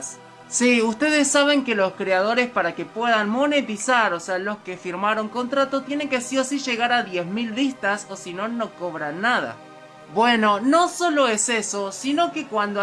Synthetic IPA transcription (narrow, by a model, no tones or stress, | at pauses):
siust̪eðesːaβ̞e̞ŋkelo̞skɾeað̞o̞ɾespaɾakepweðanmo̞ne̞t̪isaɾosealo̞skefiɾmaɾo̞ŋko̞nt̪ɾat̪ot̪jene̞ŋkesiosiʒe̞ɣaɾaðjezmilβist̪asosino̞nːo̞ko̞βɾanːaða̰ | bweno̞no̞so̞lo̞esesosino̞kekwand̪o